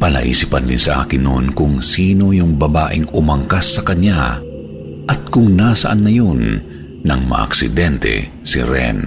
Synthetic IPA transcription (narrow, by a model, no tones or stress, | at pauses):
pɐnɐ̰ʔḭːsipɐnd̪ɪnsɐʔa̰ːkɪnːo̰nkʊŋsiːno̞jʊŋbɐbaːʔɪŋʊmɐŋkasːɐkɐɲa̰ | ʔɐt̪̚kʊŋnasɐʔanːɐjonː | ɐŋmɐ̰ʔɐ̰ksɪd̪ɛnt̪ɛ̰ | sḭɾɛ̰n